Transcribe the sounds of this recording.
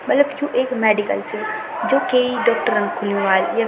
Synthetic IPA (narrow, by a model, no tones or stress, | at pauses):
mɐt̪ləbkjũʔeːkmeːɖikə̰lt͡ɕʰəɾ | d͡ʑoːkeiɖɔːk̚ʈəɾən̆kʰʊlijũaːljɐ